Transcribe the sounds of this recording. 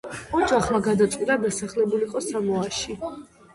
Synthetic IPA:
ɔd͡ʒʼaχmaɡad̪at̪sʼilʼab̪ɛsaχlɛbuliqʼɔsamɔaʃi

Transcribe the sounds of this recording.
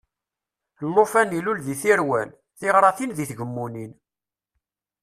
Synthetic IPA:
lːofænilulðiθiɾwæn | θiʁɾˤɑθinðiθʝəmːunin

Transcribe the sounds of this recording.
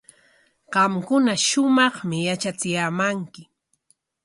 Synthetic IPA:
ɢɑmkʊnaʃʊmɑχmɪjat͡ʃat͡sɪjaːmaŋkɪ

